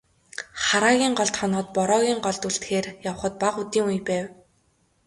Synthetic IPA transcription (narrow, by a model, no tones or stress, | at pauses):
χaɾaːɣʲiːɴɢɔɮt̪χɔnɔːt̪̚pɔɾɔːɣʲiːŋɢɔɮt̪uɬt̪xeːrjaw̆χə̆t̪̚paqut̪iːŋujpæːw